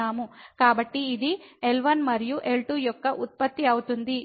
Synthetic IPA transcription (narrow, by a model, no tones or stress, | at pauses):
aːmukaːbɐʈːiːd̪ielʋɐnmɐɾijuʔe̞lʈuːjɔkːɐʔut̪̚pɐt̪ːiɐwut̪und̪i